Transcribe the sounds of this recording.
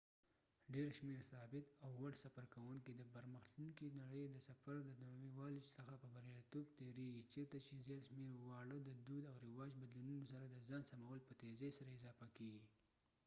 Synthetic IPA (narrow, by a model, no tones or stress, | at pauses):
ɖeɾʃmeɾsɑbɪt̪awːaɽsafaɾkawʊŋkid̪əbaɾməxt̪uŋkinaɽəjd̪əsafaɾd̪əd̪amiwɑlisəxapəbaɾjɑlt̪okt̪eɾeɡit͡ʃeɾt̪at͡ʃezjɑt̪ʃmeɾwɑɽəd̪əd̪ud̪awɾɪwɑd͡ʒbad̪lununosaɾad̪əzɑːnsamawəlpət̪ezesaɾaɪzɑfakeɡi